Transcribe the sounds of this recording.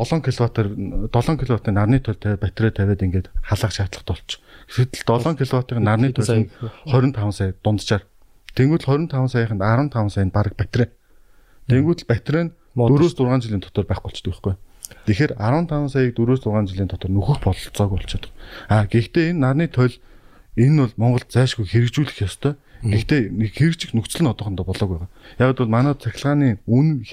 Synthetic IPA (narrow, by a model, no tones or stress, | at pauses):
ɮɔːŋkʰeɮwat̪t̪ɔɮɔːŋkʰeɮwat̪iːnarniːt̪ʰœɮt̪ʰæpæt̪reːt̪ʰæweːt̪iŋɡeːt̪χaɮə̆ːχt͡ɕʰaːt̪ɮə̆χt̪ɔɮt͡ɕɡsɘ̆t̪ɘ̆ɮt̪ɔɮɔːŋkʲʰeɮwat̪iːχnarniːt̪ʰœɮiːŋχœɾʲɪ̆nt̪ʰawə̆nsaːkt̪ʊnt̪t͡ɕaːr | t̪ʰeŋɡuːt̪ɮχœɾʲɪ̆nt̪ʰawənsaɣaːχə̆nt̪aɾwə̆nt̪ʰawə̆nsaːnpaɾə̆k̚pæt̪reː | t̪ʰeŋɡuːt̪ɘ̆ɮpæt̪reːn | ɵɾoːst̪t͡sʊrʁaːnt͡ɕɪɮiːnʰɔ̥t̪ɞ̆rpæːχɡʊ̥t͡ɕt̪̆ʰkə̆χɡujt̪exeːɾaɾwə̆nt̪ʰawənsajiːk̚t̪uɾoːst̪ʊrʁaːnt͡ɕɪɮiːnt̪ʰɔt̪ɞ̆rnuxɘ̆xpɔɮt͡sɔːɣujɔɬt͡ɕʰɔːt̪ɞ̆χaːɡekt̪eːenːarniːt̪ʰœɮ | enʊɮmɔɴɢɞ̆ɮt̪̚t͡sæːʃɡujxeɾɘ̆k̚t͡ɕuːɮɘ̆xjɔst̪ʰœːɡekt̪eːexeɾɘ̆k̚t͡ɕɪ̆xnukt͡ɕ̆ɮɘ̆nɔt̪ɞ̆χɞ̆nt̪ɔːpɔɮɔːɣæːʁaːjaːʁaːt̪ʊɮmanæːt͡sʰæxʲɪ̆ɮʁaːniːun